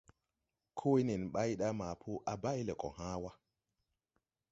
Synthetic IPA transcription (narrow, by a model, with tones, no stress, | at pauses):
kʰo˦i˦ne˨nɓa˦jɗa˦maː˨pʰo˦ʔa˨ba˦jle˨kʼɔ̰˨haː˦wa˦